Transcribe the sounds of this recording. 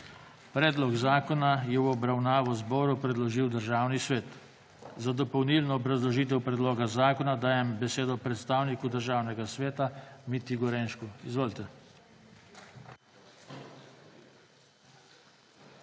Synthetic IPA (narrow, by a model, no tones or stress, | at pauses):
pɾɛːd̪lɔɡzaːkɔnajɛwɔbɾawnaːʋɔzbɔːɾupɾɛd̪lɔʒiwd̪əɾʒaːwnisʋeːt̪ | zad̪ɔpɔwnilnɔːbɾazlɔʒiːt̪̬ɛwpɾɛd̪loːɡazaːkɔnad̪aːjɛmbɛseːd̪ɔpɾɛt̪st̪aːwnikud̪əɾʒaːwnɛɡasʋeːt̪amit̪iɡɔɾenʃkuizʋoːlt̪ɛ